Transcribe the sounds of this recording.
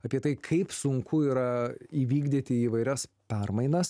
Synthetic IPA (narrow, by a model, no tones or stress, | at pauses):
ɐːpʲiɛt̪ɐɪkʰɐɪpsʊŋkʰʊiːɾɐiːʋʲiːɡd̪ʲit̪ʲɪiːʋɐɪɾʲɛspʲɛrmɐɪnɐs